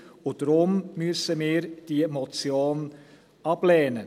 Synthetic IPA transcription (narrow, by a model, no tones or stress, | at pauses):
ʊd̥ɾʊmmyəsəmiːɾd̥imɔt͡sjoːn | ɑb̥lɛːnə